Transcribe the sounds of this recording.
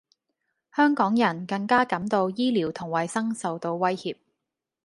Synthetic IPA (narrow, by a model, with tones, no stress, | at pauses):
hœː˥ŋkɔː˨˥ŋjɐ˨˩nkɐ˧ŋkaː˥kɐ˨˥mt̪o˧wjiː˥liː˨˩wt̪ʰʊ˨˩ŋwɐ˨jsɐ˥ŋsɐ˨wt̪o˧wwɐ˥jhiː˨p̚